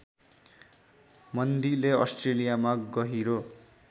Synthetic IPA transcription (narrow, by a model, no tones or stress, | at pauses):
mʌnd̪ileʌsʈrelijamaɡʌɦiɾo